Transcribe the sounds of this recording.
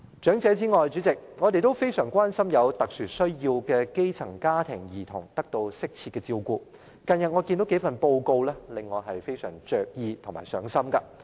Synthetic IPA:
t͡ʃœː˨˥ŋt͡sɛː˨˧t͡siː˥ŋɔː˨jt͡ʃyː˨˥t͡sɪ˨k̚ŋɔː˨˧t̪e˨jt̪o˥wfe˥jsœː˨˩ŋkʷaː˥nsɐ˥mjɐ˨˧wt̪ɐ˨k̚syː˨˩sɵ˥ɥjiː˧wkɛː˧ke˥jt͡sʰɐ˨˩ŋkaː˥t̪ʰɪ˨˩ŋjiː˨˩t̪ʰʊ˨˩ŋt̪ɐ˥k̚t̪o˧wsɪ˥k̚t͡sʰiː˧t̚kɛː˧t͡siː˧wkuː˧ | kɐ˨njɐ˨t̚ŋɔ˨˧kiː˧nd̪o˨˥wke˨˥fɐ˨npo˧wko˧wlɛː˥lɪ˨ŋːɔː˨˧ɦɐ˨jfe˥jsœː˨˩ŋt͡ʃœː˨k̚jiː˧t̪ʰʊ˨˩ŋma̰ː˨˩jsœ̰ː˨˥ŋsɐ˥mkɐ˧

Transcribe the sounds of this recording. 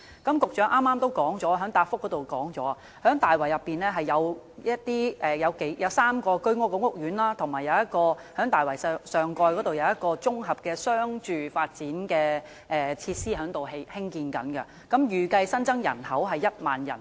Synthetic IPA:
kɐ˨˥mkʊ˨k̚t͡ʃœː˨˥ŋʔaː˥mːaː˥mt̪o˥wkɔː˨˥ŋt͡sɔː˨˥˧ɦœː˨˥ŋt̪aː˧p̚fʊ˥k̚ɔ˨˥t̪wkɔː˨˥ŋt͡sɔ̰ː˨˥a˨ | hœː˨˥ŋt̪aː˨˩jwɐ˨˩jɐ˨pːiː˨nlɛː˥ɦɐ˨jːɐ˨˧wjɐ˥t̚t̪iː˥ʔɛː˨jɐ˨˧wke˨˥jjʔɐ˨˧wsaː˥mkɔː˧kɵ˥ɥŋɔː˥kːɔ˧˥ŋʊ˥k̚jyː˨˥nlaː˥t̪ʰʊ˨˩ŋmaː˨˩jɐ˨˧wjɐ˥t̚kɔː˧hœː˨˥ŋt̪aː˨jwɐ˨˩jsœː˨ŋkɔː˧jkɔ˨˥t̪o˨wjɐ˧wjɐ˥t̚kɔː˧t͡sʊ˥ŋɦɐ˨p̚kɛː˧sœː˥ŋt͡ʃyː˨faː˧t̚t͡siː˨˥nkɛː˧ | ʔɛː˨t͡sʰiː˧t̚siː˥ɦœː˨˧˥ŋt̪o˨wɦe˧hɪ˥ŋkiː˧nkɐ̰˨˥nkɐ̰˧ | kɐ˨˥mjyː˨kɐ˧jsɐ˥nt͡sɐ˥ŋjɐ̰˨˩nhɐ˨˥wɦɐ˨jːɐ˥t̚ma̰ː˨˩njɐ̰˨˩n

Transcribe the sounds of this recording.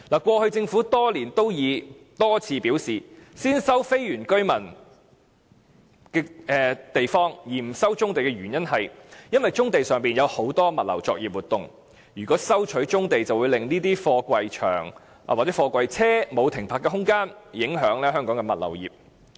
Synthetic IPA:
laː˨˩kwɔː˧hɵ˧ɥt͡sɪ˧ŋfu˨˥t̪ɔː˥liː˨˩nt̪o˥wjiː˨˧t̪ɔː˥t͡sʰiː˧piː˨˥wsiː˨siː˥nsɐ˥wfe˥jɥyː˨˩nkɵ˥ɥmɐ˨˩n | kɛː˧ɛː˨˧t̪e˨jfɔː˥ŋjiː˨˩m̩˨˩sɐ˥wt͡sʊ˥ŋt̪e˨jkɛ˧ɥyː˨˩njɐ˥nhɐ˨jjɐ˥nwɐ˨jt͡sʊ˥ŋt̪e˨jsœː˨ŋpiː˨njɐ˨˧who˨˥wt̪ɔː˥mɐ˨t̚lɐ̰˨˩wt͡sɔː˧k̚jiː˨p̚wuː˨˩t̪ʊ˨ŋ | jyː˨kɔː˨˥sɐ˥wt͡ʃʰɵ˨˥ɥt͡sʊ˥ŋt̪e˨jt͡sɐ˨wu˨˧jlɪ˨˩ŋniː˥t̪iː˥fɔː˧kʷɐ˨jt͡ʃʰœ̰ː˨˩ŋ̰ː˨ | waː˨k̚t͡sɛː˨˦˥fɔː˧kʷwɐ˨jt͡sʰɛː˥mo˨˧wt̪ʰɪ˨˩ŋpʰaː˨˩kːɛ˧ɦʊ˥ŋkaː˥njɪ˨˥ŋɦœː˨˥ŋlɛː˥ɦœː˥ŋkɔː˨˥ŋkɛ˧mɐ˨t̚lɐ̰˨˩wjḭː˨p̚

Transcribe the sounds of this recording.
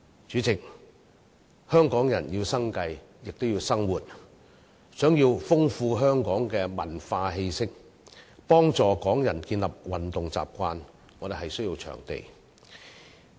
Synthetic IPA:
t͡sy˨˥t͡sɪ˨k̚ | hœː˥ŋkɔː˨˥ŋjɐ̰˨˩njiː˧wsɐ˥ŋkɐ˧jjɪ˨k̚t̪o˥wjiː˧wsɐ˥ŋwuː˨t̚ | sœː˨˥ŋjiː˧wfʊ˥ŋfuː˧ɦœː˥ŋkɔː˨˥ŋkɛː˧mɐ̰˨˩nfaː˧ɦe˧jsɪ˥k̚ | pɔː˥ŋt͡sɔː˨kɔː˨˥ŋjɐ˨˩nkiː˧nlɐ˨p̚wɐ˨nt̪ʊ˨ŋt͡sa̰ː˨p̚kʷaː˧n | ŋɔː˨˧d̪e˨˩ɦɐ˨jsɵ˥jiː˧wt͡ʃʰœ̰ː˨˩ŋt̪ḛ˨j

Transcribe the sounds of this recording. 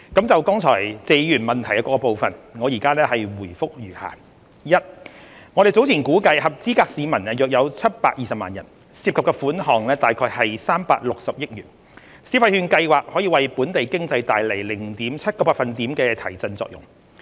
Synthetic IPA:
kɐ˨˥mt͡sɐ˨wkɔ˥ŋt͡sʰɔː˨˩jt͡se˨˧jjyː˨˩nmɐ˨nt̪ʰɐ˨˩jɐ˧˥kɔː˧kɔ˧po˨˧wfɐ˨nŋɔ˨˧jiː˨˩kaː˥lɛː˥hɐ˨jwuː˨˩jfʊ˥k̚jyː˨˩ha̰ː˨˩ | jɐ˥t̚ŋɔ˨˧ɾe˨jt͡so˨˥wt͡sʰiː˨˩nkuː˨˥kɐ˧jɦɐ˨p̚t͡siː˥kaː˧k̚siː˨˧mɐ˨˩nɛ˧jœː˨˩k̚jɐ˨˧wt͡sʰɐ˥t̚paː˧k̚jiː˨sɐ˨p̚maː˨njɐ˨˩n | siː˧p̚kʰɐ˨p̚kɛ˧fuː˨˥nɦɔː˨˩ŋlɛː˥t̪aː˨jkʰɔː˧jhɐ˨jsaː˥mpa̰ː˧k̚lʊ˨k̚sɐ˨p̚jɪ˥t̚jyː˨˩n | siː˨˧fɐ˧jhyː˧nkɐ˧jwaː˨k̚hɔː˨˥jiː˧wɐ˨jpuː˨˥nt̪e˨jkɪ˥ŋt͡sɐ˧jt̪aː˨jle˨˩jlɪ˨˩ŋt̪iː˨˥mt͡sʰɐ˥t̚kɔː˧paː˧˥kfɐ˨nt̪iː˨˥mkɛː˧t̪ʰɐ˨˩jt͡sɐ˧nt͡sɔ̰ː˧˨k̚jʊ̰˨˩ŋ

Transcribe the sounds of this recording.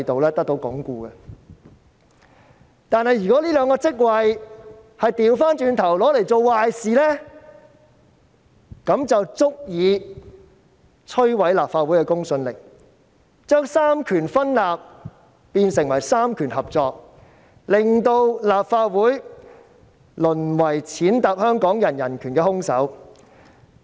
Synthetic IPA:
jt̪o˨wlɛː˥t̪ɐ˥k̚t̪o˨˧˥wkɔ̰˨˥ŋkuː˧ɡɐ˧ | t̪aː˨˧nhɐ˨jyː˨˩kɔ˨˥liː˥lœː˨˧ŋkɔː˧t͡sɪ˥k̚wɐ˨j | hɐ˨jt̪iː˨˧wfaː˥nt͡ʃyː˧nt̪ʰɐ˨˩wlɔː˨˥le˨˩jt͡so˨˧wwaː˨jsiː˨lɛː˥ | kɐ˨˥mt͡sɐ˨wt͡sʊ˥k̚jiː˨˧ | t͡sʰɵ˥ɥwɐ˨˥jlaː˨˩p̚faː˧t̚wuː˨˥jkɛ˧kʊ˥ŋsɵ˧nlɪ̰˨˩k̚ | t͡ʃœː˥ŋsaː˥mkʰyː˨˩nfɐ˥nlaː˨p̚ | piː˧nsɪ˨˩ŋwɐ˨˩jsaː˥mkʰyː˨˩nɦɐ˨p̚t͡sɔː˧k̚ | lɪ˨ŋt̪o˧wlaː˨p̚faː˧t̚wuː˨˥j | lɵ˨˩nwɐ˨˩jt͡sʰiː˨˥nt̪a˨p̚hœː˥ŋkɔː˨˥ŋjɐ˨˩njɐ˨˩nkʰyː˨˩nkɛː˧hʊ˥ŋsɐ̰˨˥w

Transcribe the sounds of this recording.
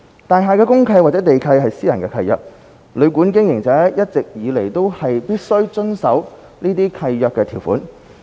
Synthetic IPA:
t̪aː˨jɦaː˨kɛː˧˥kʊ˥ŋkʰɐ˧jwa˨t͡sɛː˨˥t̪e˨jkʰɐ˧jɦɐ˨jsiː˥jɐ˨˩nkɛː˧kʰɐ˧jœ̰ː˨k̚ | lɵ˨˧ɥkuː˨˥nk̬ɪ˥ŋjɪ˨˩ŋt͡sɛː˨˥jɐ˥t̚t͡sɪ˨k̚jiː˨˧le˨˩jt̪o˥whɐ˨jpiː˥t̚sɵ˥ɥt͡sɵ˥nsɐ˨˥w | niː˥t̪̬iː˥kʰɐ˧jːœː˨kːɛː˧t̪ʰiː˨˩wfṵː˨˥n

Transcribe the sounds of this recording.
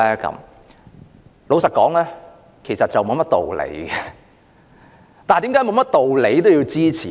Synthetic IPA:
ɛː˦˥kɐ̰˨˧˥m | lo˨˧wsɐ˨t̚kɔ̰ː˨˥ŋlɛː˥ | kʰe˨˩jsɐ˨t̚t͡sɐ˨wmo˨˧wmɐ˥t̚t̪o̰˨wlḛ˨˥jɡɛ˨˧ | t̪aː˨t̪iː˨˥ŋkaː˨˥jmo˨˧wmɐ˥t̚t̪o˨wle˨˥jt̪o˥wjiː˧wt͡siː˥t͡sʰiː˨

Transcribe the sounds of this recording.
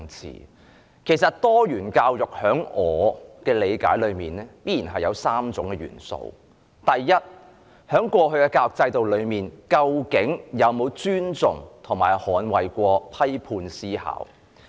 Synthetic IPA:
ŋt͡sʰḭː˨˩ | kʰe˨˩jsɐ˨t̚t̪ɔː˥jyː˨˩nkaː˧wjʊ˨k̚hœː˨˥ŋɔː˨˧kɛː˧le˨˧jkaː˨˥jlɵ˨˧ɥmiː˨nɛː˥piː˥jiː˨˩nɦɐ˨jɐ˨˧wsaː˥mt͡sʊ˨˥ŋkɛː˧jy̰ː˨˩nso̰˧w | t̪ɐ˨jːɐ˥t̚ | hœː˨˥ŋkʷɔː˧ɦɵ˨˧ɥkɛ˧kaː˧ʊ˨k̚t͡sɐ˧jt̪o˨wlɵ˨˧ɥmiː˨nkɐ˧wkɪ˨˥ŋjɐ˨˧wmo˨˧wt͡syː˥nt͡sʊ˨ŋt̪ʰʊ˨˩ŋmaː˨˩jhɔː˨˥nwɐ˨jkʷɔː˧pʰɐ˥jpʰuː˧nsiː˥ha̰ː˨˥w

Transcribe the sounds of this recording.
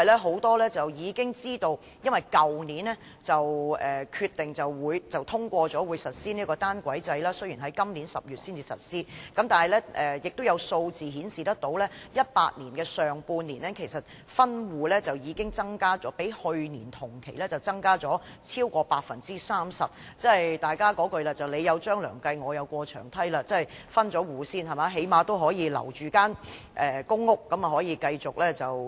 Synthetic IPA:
jlɛː˥ɦo˨˥wt̪ɔː˥lɛː˥t͡sɐ˨wjiː˨˧kɪ˥ŋt͡siː˥t̪o˧w | jɐ˥nwɐ˨˩jkɐ˨wniː˨˥nɛː˥ | t͡sɐ˨wʔɛː˨kʰyː˧t̪ːɪ˨ŋt͡sɐ˨wwuː˨˧jt͡sɐ˨wt̪ʰʊ˥ŋkʷɔː˧t͡sɔː˨˥wuː˨˧jsɐ˨t̚siː˥ni˥kɔː˧t̪aː˥nkʷɐ˨˥jt͡sɐ˧jlaː˥sɵ˥ɥjiː˨˩ɦɐ˨˥jkɐ˥mni˨˥nsɐ˨p̚jyː˨t̚siː˥nt͡siː˨sɐ̰˨t̚siː˥kɐ˨˥mt̪aː˨˩hɐ˨jlɛː˥ʔɛ˨˩jɪ˨k̚t̪wjɐ˨˧wso˧wt͡siː˨ɦiː˨˥nsiː˨t̪ɐ˥k̚t̪o˨˥wlɛː˥jɐ˥t̚pa̰ː˧t̚niː˨˩nkɛː˧sœː˨ŋpuː˧nniː˨˩nɛː˥kʰe˨˩jsɐ˨t̚ | fɐ˥nwuː˨lɛː˥t͡sɐ˨wjiː˨˧kɪ˥ŋt͡sɐ˥ŋkaː˥t͡sɔː˨˥pe˨˥jhɵ˧ɥniː˨˩nt̪ʰʊ˨˩ŋkʰe˨˩jlɛː˥t͡sɐ˨˩wt͡sɐ˥ŋkaː˥t͡sɔː˨˥t͡sʰiː˥wkɔː˧paː˧t̚fɐ˨nt͡siː˥saː˥msɐ˨p̚ | t͡sɐ˥ɐ˨˩jt̪aː˨˩jkaː˥kɔː˨˥kɵ˧ɥlaː˧t͡sɐ˨wle˨˧jɐ˨˧wt͡ʃœː˥ŋlœ̰ː˨˩ŋkɐ˧jŋɔː˨˧jɐ˨˧wkʷɔː˧t͡ʃʰœ̰ː˨˩ŋt̪ʰɐ˥jlaː˧t͡sɐ˥hjfɐ˥nt͡ʃɔː˨˥wuː˨˧siː˥nhɐ˨˩maː˨˥ɦe˨˥jmaː˨˧t̪o˥wɦɔː˨˥jiː˨˧lɐ̰˨˩wt͡ʃyː˨kaː˥nʔɛː˨˩kʊ˥ŋːʊ˥kːɐ˨˥mɐ˨ɦɔː˨˥jiː˨˧kɐ˧jt͡sʊ˨k̚lɛː˥t͡sɐ˨w

